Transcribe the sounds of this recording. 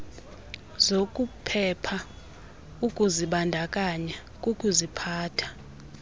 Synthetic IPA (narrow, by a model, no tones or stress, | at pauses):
zokʼupʰɛpʰa | ukʼuziɓandʱakʼaɲa | kʼukʼuzipʰaːtʰḁ